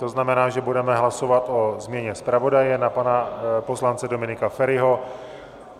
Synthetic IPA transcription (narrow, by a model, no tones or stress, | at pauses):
t̪oznamɛnaːʒɛbudɛmɛɦlaso̞vat̪o̞zmɲɛɲɛspɾavo̞dajɛnapanapo̞slant͡sɛdomɪnɪkafɛɾɪɦo